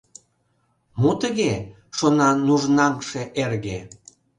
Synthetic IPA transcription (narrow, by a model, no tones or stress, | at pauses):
mot̪əɣe | ʃonɑnuʒnɑŋʃeʔerɣe